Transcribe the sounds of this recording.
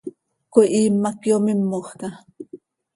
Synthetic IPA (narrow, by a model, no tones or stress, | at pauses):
koʔiːmːakjomimːoχka